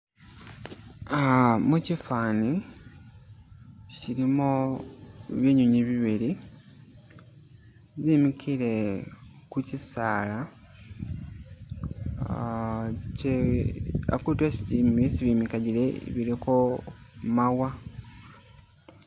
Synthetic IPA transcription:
mucifaːni | ciɾimo | βjeɲuɲiβiβiɾi | βimikʰile | kucisaːla | ce | a̰kutwesimesiβimikaɟileβilikomawa

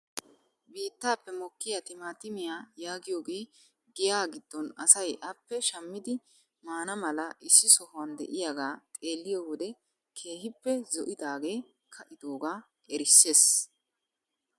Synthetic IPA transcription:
biːt̪ːaːpːɛmɔkːɪjat̪ɪmaːt̪ɪmɪjaːjaːɡɪjo̞ːɡe̞ː | ɡɪjaːɡɪd̪̥ːɔnɐsɐjʔɐpːɛʃɐmːɪd̪ɪ | maːnɐmɐlɐʔɪsːɪsɔhʊwɐnd̪ɛ̰ʔɪjaːɡaːt̪ʼe̞ːlːɪjowɔd̪ɛ | kʰe̞ːhɪpːɛzɔʔɪd̪aːɡe̞ː | kʰɐʔɪd̪oːɡaː | ʔɛɾɪsːe̞ːs

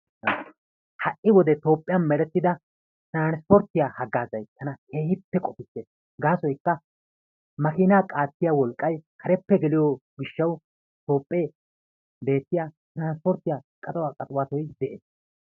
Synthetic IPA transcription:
hɐʔʔɪwɔd̪ɛt̪o̞ːpʼːɪjɐnmɛɾɛt̪ːɪd̪ɐ | t̪ɾaːnspɔɾt̪ːɪjaːhɐɡːaːzɐjt̪ʰːɐnɐke̞ːhɪpːɛkʼɔfɪt̪ːeːs | ɡaːsɔjkːɐ | mɐkɪːnaːkʼaːt̪ːɪjawɔlkʼːɐjkʰɐɾɛpːɛɡɛlɪjɔɡɪʃːɐw | t̪o̞ːpʼːeː | be̞ːt̪ːɪjat̪ɾaːnspɔɾt̪ːɪjaːkʼɐt̪ʼɐwaːkʼɐt̪ʼwaːt̪ɔjd̪ɛʔeːs

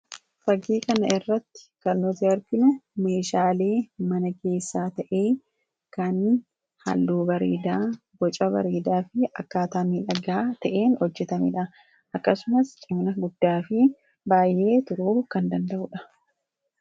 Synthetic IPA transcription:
fɐɡeːkɐnɐɪrːɐt̪ːɪ̥kɐnːɔt̪iɐɾɡɪnʊme̞ːʃaːle̞ːmɐnɐke̞ːsːaːt̪ɐʔe̞ː | kɐn | ha̰lːuːbɐɾḛːd̪aː | ɡɔt͡ʃʼɐbɐ̰ɾeːd̪aːfɪɐkːaːt̪aːmiːᶑɐɡaːt̪ɐʔe̞ːnhɔd͡ʒːɛt̪ɐmɪ̰ᶑɐ | ʔɐkːɐsʊmɐst͡ʃʼɪmnɐɡʊd̪ːaːfɪ | baːjʔe̞ːt̪ʊɾuːkɐnd̪ɐnd̪ɐʔʊᶑɐ̥

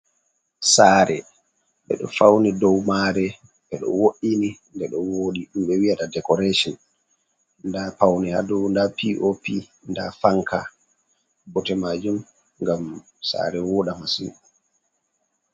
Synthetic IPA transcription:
saːɾɛ | ɓɛ̰ɗɔ̰fawnidɔwmaːɾɛ | ɓɛɗɔ̰woɗinindɛɗɔwoɗiɗumɓɛwiatadɛkɔɾeʃɔn | ndapawnihadɔndapiʔopi | ndafaŋkʰa | bɔtɛmad͡ʒum | ŋɡam | sa̰ɾɛwɔɗamasḭ

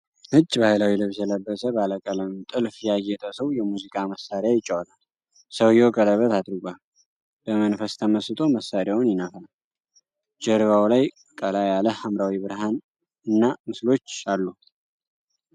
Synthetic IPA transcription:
hɨd͡ʒːbahlawilɨβsɛləbːəsəbaləkʼələmt̪ʼɨlfjɛajːɛt̪ʰʼəsəwjɛmuzikʼaməsːaɾjajɪt͡ʃʼːawlal | səwjokʼələβət̪ad̪ɾɨɡʷal | b̥əmənfəst̪ʰəməsɨt̪ʼo̞məsaɾɪjawnjɪnafəlal | d͡ʒəɾɨβawlaj | kʼəlajaləhamɾawibɨɾɦan | ɨnːamɨslo̞t͡ʃːalːu

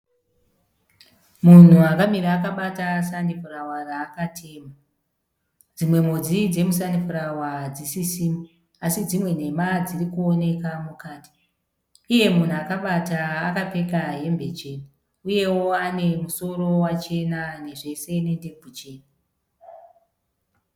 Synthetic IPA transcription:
mun̤uakamiɾaːkaɓatasanifurawaraːkatʰe̞ːma | d͡zimwe̞mod͡zid͡ze̞musanifuɾawad͡zisisiːmi | asid͡zimwe̞n̤e̞mad͡zirikuo̞ne̞kamukaːti̥ː | je̞mun̤uakaɓataːkape̞kaɦe̞mbe̞t͡ʃe̞ːni | uje̞wo̞ane̞muso̞ɾo̞wat͡ʃe̞nane̞ʐe̞se̞ne̞nde̞bʱut͡ʃe̞ːna

